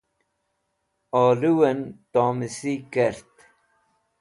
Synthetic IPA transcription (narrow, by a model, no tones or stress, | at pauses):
ɔːluwənt̪ɔːmisikɛɾt̪